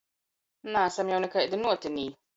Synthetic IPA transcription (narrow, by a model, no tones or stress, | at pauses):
naːsɛmjɛwnɪkɐɛʔd̪ɪnuːt̪ɪniː